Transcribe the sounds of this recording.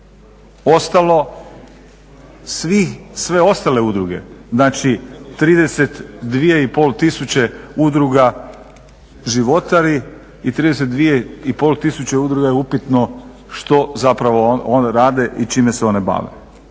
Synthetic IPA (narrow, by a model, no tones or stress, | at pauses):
ost̪alˠo̞ | sʋixsʋe̞o̞st̪ale̞ud̪ɾuɡe̞̰znaːt͡ʃit̪ɾiːd̪e̞set̪d̪ʋijeipo̞lt̪isut͡ɕeud̪ɾuɡa | ʒiʋo̞t̪aɾi | it̪ɾiːd̪eset̪̚d̪ʋijeipoːlt̪isut͡ɕeud̪ɾuɡajeupit̪no̞ | ʃt̪o̞zapɾaʋoonɾaːd̪e̞ʔit͡ʃimeseo̞neba̰ːʋḛ